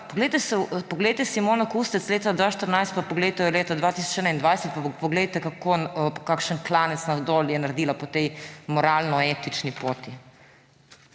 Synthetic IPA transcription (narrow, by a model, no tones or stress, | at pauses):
poɡlɛjt̪ɛsɛpɔɡlɛjt̪ɛsimonɔkust̪ɛt̪sleːt̪ad̪ʋaːʃt̪əɾnajst̪̚papɔɡlejt̪ɛjɔleːt̪ad̪ʋaːt̪isɔ̥t͡ʃɛd̪naind̪ʋajsɛt̪̚papɔɡlejt̪ɛkakonkakʃənklaːnɛt̪snad̪oljɛnaɾɛd̪iːlapɔt̪ɛjmɔɾaːlnɔeːt̪it͡ʃnipoːt̪i